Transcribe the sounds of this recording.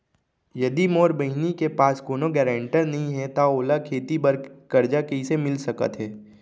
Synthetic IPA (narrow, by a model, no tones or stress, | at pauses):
jɐd̪imoːɾbɐɦɪnikepaːskoːnoɡɛːɾẽːɳʈəɾnɐɦĩɦɛt̪aoːlakʰeːt̪ibəɾkɐɾd͡ʒakɐisemɪlsɐkə̰t̪ɦɛː